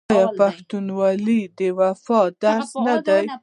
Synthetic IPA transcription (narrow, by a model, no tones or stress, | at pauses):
japaht̪unwɑlid̪əwafɑd̪aɾsnad̪aj